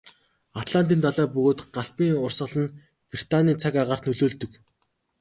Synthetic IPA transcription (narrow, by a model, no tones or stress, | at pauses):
at̪ɮan̥t̪̬iːnt̪ʰaɮæːpɵɣoːt̪ɢaɬpiːŋʊrsə̆ɮə̆n | prit̪aniːt͡sʰakaʁaːrt̪nɵɮoːɮt̪ɵ̆k